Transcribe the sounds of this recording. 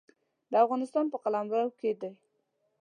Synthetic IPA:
d̪əafɣɑnɪst̪ɑnpəqalamwawked̪a

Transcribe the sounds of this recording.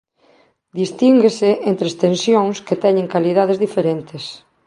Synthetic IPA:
d̪ist̪iŋɡesɪent̪ɾest̪ensjoŋsket̪ɛɲẽŋkaliðaðezðifeɾent̪es

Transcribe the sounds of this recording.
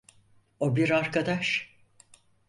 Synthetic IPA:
obiɾaɾkad̪aʃ

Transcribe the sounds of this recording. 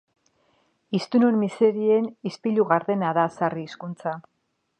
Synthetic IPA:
ist̪unonmise̞ɾie̞nispiʎuɣaɾðe̞naðasariːskunt͡sa

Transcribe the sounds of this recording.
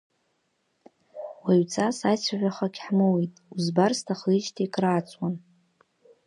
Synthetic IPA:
waɥt͡sʰʼasajt͡sʷʰaʕᶣʷaχakʲħmɨwitʼuzbarstʰaχlit͡ʃʼtʰijkʼraːt͡sʷʼwan

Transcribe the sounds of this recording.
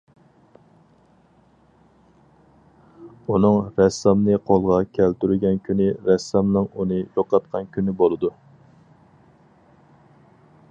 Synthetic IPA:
unɨŋɾɛsɑmnɨqʰolˠʁɑkʲʰælt̪yɾyɡʲɛnkʲʰynɪɾɛsːɑmnɨŋunɨjoqɑt̪̚qʰɑnkʲʰynɪbolˠɨd̪u

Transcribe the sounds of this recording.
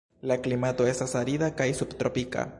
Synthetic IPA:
laklimat̪oest̪asaɾiðakajsubt̪ɾopika̰

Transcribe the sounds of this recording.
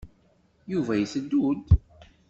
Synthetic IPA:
juvæjəθəd̪ːud̪

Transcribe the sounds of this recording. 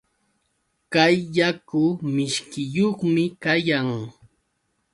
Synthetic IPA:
kajːakʊmɪʃkɪjoχmɪkajaŋ

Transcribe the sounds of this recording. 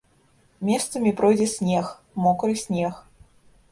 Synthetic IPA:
mʲɛst̪sɐmʲipɾɔjd͡zʲɛsʲnʲɛx | mɔkɾɨsʲnʲɛx

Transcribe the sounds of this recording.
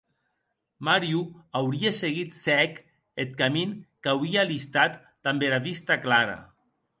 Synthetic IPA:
maɾjuawɾieseɣit̪sɛk | et̪̚kaminkawɾialist̪at̪ːambelaβist̪aklaɾa̰

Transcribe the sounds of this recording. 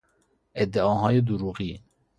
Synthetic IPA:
ed̪ɛɑːɦɑːjed̪uɾuɣi

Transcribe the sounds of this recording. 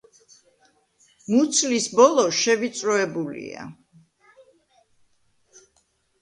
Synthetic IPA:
mut̪sʰlisbɔlˠɔʃɛvit̪sʼɾɔɛbulḭa̰

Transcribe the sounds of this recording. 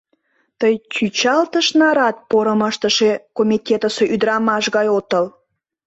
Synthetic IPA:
t̪əjt͡ɕʲyt͡ɕɑlt̪əʃnɑɾɑt̪̚poɾəməʃt̪əʃekomʲitʲet̪əseʔyd̪ɾɑmɑʃɣɑjot̪əl

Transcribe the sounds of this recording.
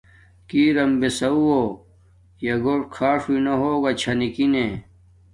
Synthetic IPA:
kiːɾɐmbesɐuo | jɐɡoːʈkʰaːʂuinɐɦoːɡat͡ɕʰɐnikine

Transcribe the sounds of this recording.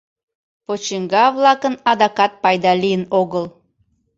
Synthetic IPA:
pot͡ɕiŋɡɑvlˠɑkənɑd̪ɑkɑt̪̚pɑjd̪ɑlʲijənoɣəlˠ

